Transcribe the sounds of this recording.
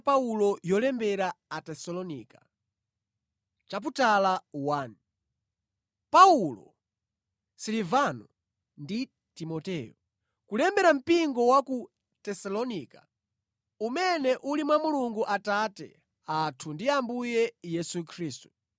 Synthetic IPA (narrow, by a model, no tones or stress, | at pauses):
paulɔjɔlɛmbɛɾaatɛsɔlɔniːka | t͡ʃap̬utalawan | paulɔ̰ | silivanɔ | ndi | timɔtɛːjɔ | kulɛmbɛɾam̩piŋɡɔwaku | tɛsalɔniːkḁ | umɛnɛʔulimwamuluŋɡuʔatatɛ̰ | atʰundiambujɛjɛsukʰɾiːstu̥